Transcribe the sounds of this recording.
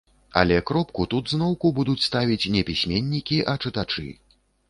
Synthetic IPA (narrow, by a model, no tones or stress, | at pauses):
ɐ̰lʲɛkɾɔpkut̪ud̪znɔwkubud̪ut͡sʲst̪avʲit͡sʲnʲɛpʲisʲmʲenʲːikʲiʔɐt͡ʂɨt̪at͡ʂɨ̰